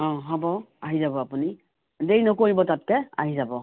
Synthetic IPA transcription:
ɔ̃ɦɔbɔ | aɦizabɔapuni | dejnɔkoɹibɔtat̚kɛa̰ɦizabɔ

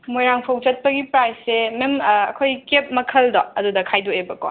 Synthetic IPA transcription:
mojɾaŋpʰɐwt͡ʃɐt̚pɐɡipɾajsːememɐkʰojkep̚mɐkʰɐldɔɐdudɐkʰajdoebɐkɔ̰

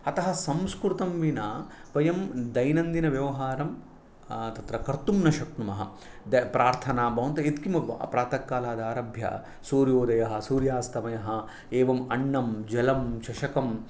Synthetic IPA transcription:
ɐt̪ɐɦɐ̆sɐmskɾut̪ɐmʋinaːpɐjɐmd̪ɐjnɐnd̪inɐʋjɐʋɐɦaːɾɐm | t̪ɐt̪ɾɐkɐɾt̪umnɐʃɐk̚ɳumɐɦɐ | d̪ɐpɾaːɾt̪ʰɐnaːbʱɐʋɐnt̪ɐit̪kimɐ̰pɾaːt̪ɐkːaːlaːd̪aːɾɐbʱjɐ̰ | suːɾjoːd̪ɐjɐɦɐ̆suːɾjaːst̪ɐmɐjɐɦɐ | eːʋɐmɐɳːɐmd͡ʒɐlɐmʃɐʃɐkɐm

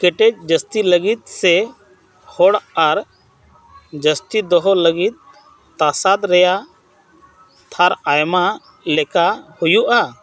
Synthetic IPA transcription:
kɛʈɛd͡ʒ̚d͡ʒəst̪iləɡit̪̚sɛ | hɔɽaɾ | d͡ʒəst̪id̪ɔɦɔləɡit̪̚ː | asad̪ɾɛja | t̪ʰaɾajma | lɛkahujuʔa

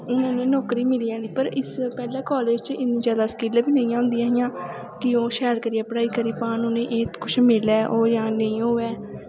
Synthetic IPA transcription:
ʊnãːnẽːnɔːkɾiːmɪliːaːniːpəɾɪspɛːlãːkɔːleːd͡ʒt͡ʃʔɪniːd͡ʒjaːd̪aːsə̥kiːlːbiːnəĩːãːɦʊ̃nd̪iːaːɦɪjãː | kɪoːʃɛːɽkəɾiːɛːpɽaːiːkəɾiːpaːnoːnẽːʔeːt̪kʊt͡ʃʰmɪlɛːʔoːjãːnə̃ĩːɦoːɛː

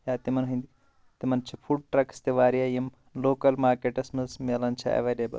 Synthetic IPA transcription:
jaːt̪imɐnɦũind̪i | t̪imɐnt͡ʃʰifʰuɖ̚ʈɾɐkst̪eʋaːɾijaːjim | loːkɐlmaːɾkeːʈɐsmɐsmelɐnt͡ʃʰɐ̰ɐ̰ʋeːlebɐ̰l

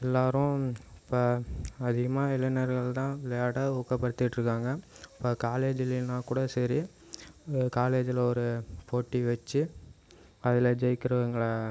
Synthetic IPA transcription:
ɛlːaːɾʊ̃ɪpːoːɐðɪɣɐmaːɪlɐnɐɾɣɐɭt̪ãːʋɪlɐjaːɽɐuːkːɐpːɐɽɯt̪ːɪʈːɾɯkːaːŋɡɐɪpːɐːkaːleːd͡ʒɪlɪnãːkuːɽɐsɐɾi | kaːleːd͡ʒɪlɐɔɾɯpoːʈːiʋɐt͡ʃːɯ | ɐðɪlɐd͡ʒɛjkːɪɾɐʋɐŋɡɐɭɐ

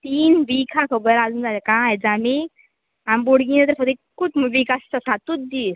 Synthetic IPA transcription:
t̪iːnʋikʰãkʰəbəɾad͡zund͡zalekãjd͡zami | amboɽɡĩnat̪̬əɾfəd̪ekkːutmʋikast̪əsat̪ut̪̚d̪is

